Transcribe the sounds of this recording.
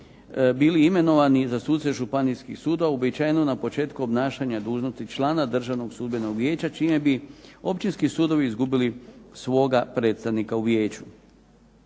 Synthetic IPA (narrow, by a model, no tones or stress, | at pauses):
biːliime̞no̞ʋanizasuːt̪t̪se̞ʒupanijskixsuːd̪oʋaobiajnonapo̞t͡ʃe̞ːt̪kuobnaːʃaɲad̪uːʒno̞st̪it͡ʃlˠaːnad̪r̩ʒaʋno̞ɡsuːd̪be̞no̞ɡʋje̞ːt͡ɕat͡ʃiːme̞bio̞pt͡ʃinskisuːd̪o̞ʋiːzɡubilisʋo̞ːɡapɾe̞ːt̪st̪aʋnikauʋje̞ːt͡ɕu